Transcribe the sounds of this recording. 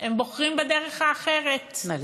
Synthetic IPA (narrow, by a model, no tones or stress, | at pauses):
embo̞χʁimbede̞ʁeχaːχe̞ʁet